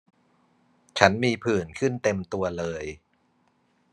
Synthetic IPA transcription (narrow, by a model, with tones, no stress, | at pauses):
t͡ɕʰa˦˥nmiː˧pʰɯː˨˩nkʰɯ˥˩nt̪e˧mt̪u˧ɐlɤː˧j